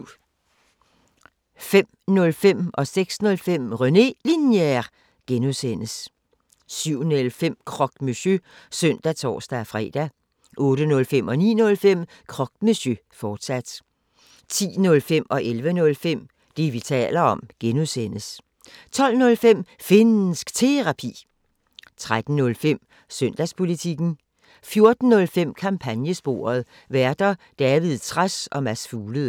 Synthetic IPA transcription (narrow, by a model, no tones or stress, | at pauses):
fem̰ | nɔ̽lfem̰ʔɒ̽seɡ̥snɔ̽lfem̰ʁœne̝linje | ɡ̥enusen̰əs | syʊ̰nelfem̰kʰʁɒ̽ɡ̥mysøsœn̰d̥æt͡sʰɒ̰ːsd̥æfʁɛ̰ːd̥æ | ʔɔ̽ːɾ̥ənɔ̽lfem̰ɒ̽nḭːnɔ̽lfem̰ | kʰʁɒ̽ɡ̥̚meɕøfɒːd̥sæd̥ | t͡sʰḭːnɔ̽lfem̰ɒ̽ʔelʋənɔ̽lfem̰ | d̥e̝ʋit͡sʰɛ̰ːlɐɒ̽mɡ̥enuðˠsen̰əs | t͡sʰɒ̽l̰nɔ̽lfem̰ | fe̝nn̩sɡ̥t͡sʰe̝ʁɑ̈pʰḭː | t͡sʰʁad̥n̩nɔ̽lfem̰ | søn̰d̥æspʰo̝lit͡sʰiɡ̥n̩ | fjo̝ɐd̥n̩ːɔ̽lfem̰kʰɑ̈mpʰænjəsb̥o̝̰ːɐð̞ˠ | ʋæɐd̥ɐd̥ɛːʋið̞ˠt͡sʰʁasɒ̽mæsfuːləð̩ˠ